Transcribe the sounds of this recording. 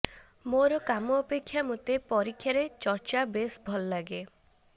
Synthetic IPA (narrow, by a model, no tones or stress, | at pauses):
moɾɔkamɔːpekʰːjamut̪epɔɾikʰjaɾet͡ʃɔɾt͡ʃabesbʱɔlɔlaɡe